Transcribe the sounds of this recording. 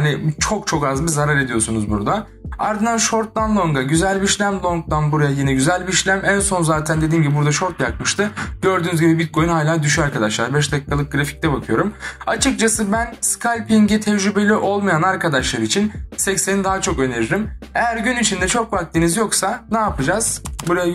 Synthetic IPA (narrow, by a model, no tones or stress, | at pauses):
anɪt͡ʃʰo̞k̚t͡ʃʰo̞kazbizaɾaɾe̞d̪ijo̞sunuzbuɾd̪a | aɾd̪ɯnd̪anʃo̞ɾt̪̚lˠanlˠo̞ŋɡaɟyzælʲbiiʃlʲæmlˠo̞ŋk̚t̪anbuɾajajenɛɟyzælʲbiːʃlʲæmænso̞nzaːt̪ʰænd̪e̞d̪iːmɟibibuɾd̪aʃo̞ɾt̪jak̚mɯʃt̪ɯɟ̥ø̞ɾd̪yːnyzɡɟibibit̪̚kʰo̞jynhaːlʲaːd̪yʃ̬yaɾkad̪aʃlˠaɾbɛʃ̬d̪ai̥kʰːalˠɯp̚ɡɯɾafi̥c̚t̪ʰɛbakʰɯjo̞ɾumat͡ʃʰɯk̚t͡ʃʰasɯbænskʰalʲpʰiɲɟit̪ʰɛd͡ʒɾybe̞lʲiʔo̞lˠmajanaɾkad̪aʃlˠaɾit͡ʃʰinsɛcse̞nid̪aɦat͡ʃʰo̞kø̞ne̞ɾiɾimejæɾɟynit͡ʃʰind̪ɛt͡ʃʰo̞kfak̚t̪inizjo̞ksanaːpʰɯd͡ʒaz̥buɾaja